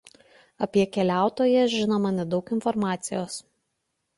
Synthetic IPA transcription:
ɐpʲiɛkʲɛlʲæˑʊt̪oːjɛʒʲɪnomɐnʲɛd̪ɒʊkɪnfɔɾmɑːt̪sʲɪjoːs

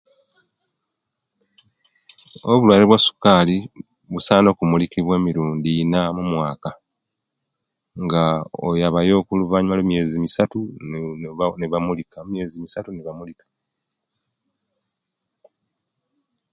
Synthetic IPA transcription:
oβulwaːleβwasu̥kaːli | βusaːno̞ːkumulikiβwe̞ːmiɾuːndiːnamumwaːka | ŋɡao̰jaβajo̞ːkuluvaːɲimalumije̞ːzimisatu | neβamulikamje̞ːzimisatuneβamulikḁ

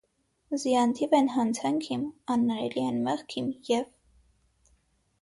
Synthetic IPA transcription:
zijɑnt̪ʰivɛnɦɑnt͡sʰɑŋkʰimɑnːɑɾɛliɛnmɛʁkʰimjɛv

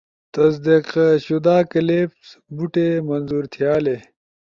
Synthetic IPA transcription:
t̪ɐs̬d̪iqɕud̪aːkɐleːpsbuʈemɐnzuːɾt̪ʰijaːle

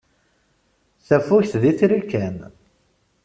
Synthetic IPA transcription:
θæfuçθðiθɾikːæn

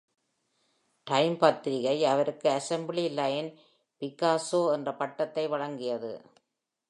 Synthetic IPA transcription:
ʈɐɪmpɐt̪ːɪɾɪɣɐɪɐʋɐɾɯkːɯɐsɛmblilaːjɐn | pɪkːaːsoːɛndrɐpɐʈːɐt̪ːɐɪʋɐɻɐŋɡɪjɐðɯ̰

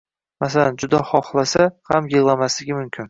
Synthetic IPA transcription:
masaland͡ʒʊd̪aχɒχlˠasahamjɨʁlˠamaslɪɡʲɪmʊmkʲʰɪn

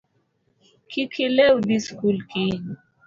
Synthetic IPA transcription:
kʰikʰilewd̪iskulki

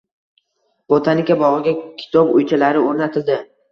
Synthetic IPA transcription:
b̥ot̪ʰanɪkʲabɒʁɨɡʲankʲʰɪ̥t̪ʰɒbo̰jt͡ʃʰalaɾɪoɾnat̪ʰɪld̪ɪ

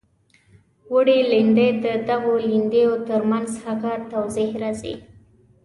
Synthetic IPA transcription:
wəɽilɪnd̪ed̪əd̪aɣolɪnd̪ejot̪əɾmanzhaɣat̪awzihɾazḭ

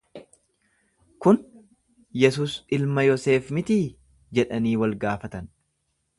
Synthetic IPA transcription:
kʊn | jɛs̬uːsɪlmɐjɔse̞ːfmɪt̪iː | d͡ʒɛᶑɐniːwɐlɡaːfɐt̪ɐn

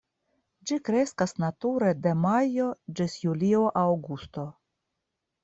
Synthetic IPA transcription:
d͡ʒikɾe̞skasnatuɾede̞majo̞d͡ʒisjulio̞ʔawɡust̪o̞

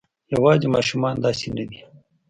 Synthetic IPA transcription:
jɐwɑːzimɑːʃumɑːnd̪ɑːsenad̪i

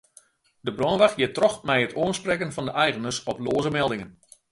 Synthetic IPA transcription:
dəbrɔnʋaxjɪtrɔxmɛjətoənsprɛkənfɑndəʔɛjɣənərsɔploːzəmɛlˠdɪŋən

